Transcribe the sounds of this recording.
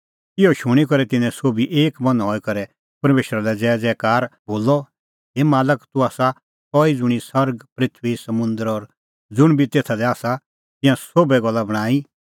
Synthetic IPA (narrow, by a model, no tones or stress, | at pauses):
ɪɔʃʊɽ̃ikɔɾɛt̪ɪnɛ̃soːbiʔeːkmɐnɦɔːikɐɾɛ | pɐɾmeːʃɾalɛd͡zɛːd͡zɛːkaːɾboːlɔ | ɦeːmaːləkt̪uaːsa | kɔid͡zʊɽ̃isɐɾɡpɾɪt̪ʰʋisɐmʊ̃nd̪əɾɔɾ | d͡zʊɽ̃bʱit̪eːt̪ʰad̪ɛaːsa | t̪ɪ̃jãsoːbɛɡɔlːabɐɽ̃aːi